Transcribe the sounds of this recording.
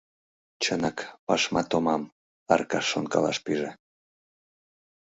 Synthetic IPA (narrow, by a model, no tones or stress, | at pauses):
t͡ɕənɑkpɑʃmɑt̪omɑm | ɑrkɑʃːonkɑ̰lɑʃpyʒe